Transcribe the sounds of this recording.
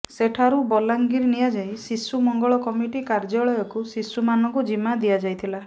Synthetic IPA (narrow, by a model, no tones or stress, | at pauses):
seʈʰaɾubɔlaŋɡiɾnijad͡ʒajsisumɔŋɡɔɭɔkɔmiʈikaɾd͡ʒɔɭɔjɔkusisumanɔŋkud͡ʒimad̪ijad͡ʒajt̪ʰila